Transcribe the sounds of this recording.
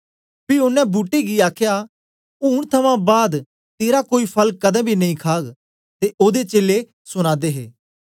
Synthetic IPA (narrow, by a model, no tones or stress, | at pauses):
piʊnːɛ̃buːʈeɡiaːkʰja | uːɽt̪ʰɐmãbaːd̪ | t̪eːɾakoːipʰɐləkkɐd̪ɛ̃bʱinɐĩkʰaːɡ | t̪eʔoːd̪et͡ʃeːlːe | sʊɽ̃aːd̪eːɦeː